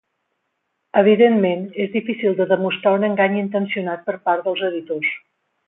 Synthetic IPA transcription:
əβ̞iðenmenezðifisilˠd̪əðəmust̪ɾaunəŋɡaɲint̪ənsiunat̪̚pəɾpaɾd̪əlˠzəðit̪os

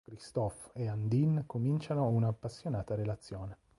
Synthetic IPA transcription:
kɾist̪ɔfeand̪inkomint͡ʃanounaːpːasːjonaːt̪aɾelat̪sːjoːne

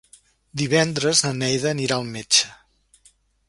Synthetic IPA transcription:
d̪iβɛnd̪ɾəznənɛjðəːniɾaəlˠmet͡ʃə̥

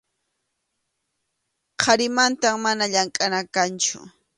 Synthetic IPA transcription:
qʰɑɾɪmant̪amːanaʎaŋkʼanakant͡ʃʊ̰

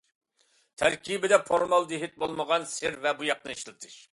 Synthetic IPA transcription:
t̪ʰæɾkʲʰibɪd̪ɛpʰoɾmɑlˠd̪ɪɦɪt̪̚bolˠməʁɑnsɪɾvɛbujɑq̚nɨiʃlˠɨt̪ʰɨʃ

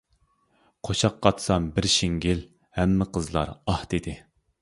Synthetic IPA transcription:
qʰoʃɑqːɑt̪sɑmbɪɾʃiŋɡʲil | hɛmːɪqʰəzlˠɑ̰ɾɑht̪ɪd̪ɪ

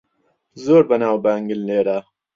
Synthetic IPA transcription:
zoːɾbɐnaːwbaːŋɡɪlneːɾaː

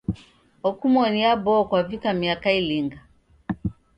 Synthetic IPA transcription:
ɔkumɔniabɔːkwavikamiakailiŋɡa

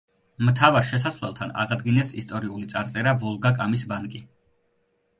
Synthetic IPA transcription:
mt̪ʰavaɾʃɛs̬asvlɛ̰lˠt̪ʰana̰ʁad̪ɡinɛsḭst̪ʼɔɾiulit̪sʼaɾt̪sʼɛɾavɔlˠɡakʼamisbankʼi

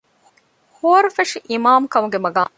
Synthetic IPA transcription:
hoːɐɾufɐʂiʔimaːmkɐmuɡemɐɡaː

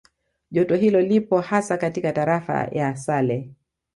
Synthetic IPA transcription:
ʄɔtɔɦilɔlipɔhasakatikataɾafa̰jasalɛ

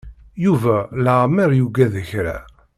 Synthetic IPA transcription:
juvæləʁməɾjuɡæðəçɾæ̰

